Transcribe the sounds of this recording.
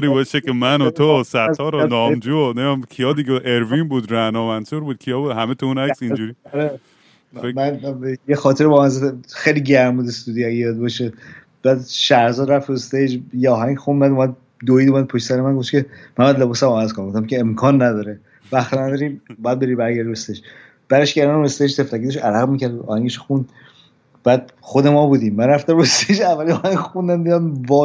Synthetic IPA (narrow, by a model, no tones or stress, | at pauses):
ɾibɒʃekemænot̪ʰosæt̪ʰɒːɾɔnɒːmd͡ʒunemkʰijɒːd̪iɡeʔeɾvinbuːd̪ɾæhnɒːmænsuɾbuːd̪̚kʰijɒːbuːd̪hæmet̪ʰounæksind͡ʒuɾiɒɾe | mænjexɒːt̪ʰeɾebɒːmænzefexejliɟæɾmuːd̪est̪uːd̪ijæɡejɒd̪bɒʃe | b̥æd̪ʃæɾzɒːɾæft̪ʰost̪ed͡ʒjeɒːɦæŋxunːæd̪umæd̪̚ | d̪oiːd̪omæd̪̚pʰoʃsæɾemænɡo̞ft̪cʰe̞mænbæd̪le̞bɒːsæmævæzkonmɡoft̪æmcʰeːmkʰɒːnːæd̪ɒːɾe | væxt̪næd̪ɒːɾiːmbɒːjæd̪̚be̞ɾibæɾɡæɾd̪iest̪ed͡ʒ | b̥æɾeʃcæɾɑnest̪ed͡ʒt̪ʰeft̪ækiːd̪eʃæɾæɣmicæɾd̪ɒ̰ːhæŋɡeʃo̥xund̪ | b̥æd̪̥̚ | xod̪emɒːbuːd̪iːmːænɾæft̪æmɾost̪ejd͡ʒævːæliɒːhæŋxund̪ænd̪id̪æmvɒː